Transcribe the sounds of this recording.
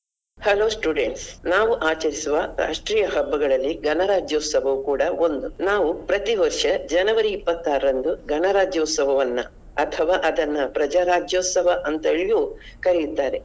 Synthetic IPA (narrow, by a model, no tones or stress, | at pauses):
hɐloːsʈuːɖeɳʈsnaːʋuʔaːt͡ʃɐɾisuʋɐɾa̰ːʂʈɾiːjɐɦɐbːɐɡɐɭɐlːiɡɐnɐɾaːd͡ʒjoːt̪sɐʋɐʋukuːɽɐo̞nd̪unaːʋupɾɐt̪iʋɐɾʂɐd͡ʒɐnɐʋɐɾiːpːɐt̪ːaːɾɐɾɐnd̪uɡɐnɐɾaːd͡ʒjɐːt̪sɐʋɐʋɐnːɐ̰ | ɐt̪ʰɐʋaːʔɐd̪ɐnːɐpɾɐd͡ʒaːɾaːd͡ʒjoːt̪sɐʋɐʔɐnt̪ɐɭijuː | kɐɾijut̪ːaːɾe̞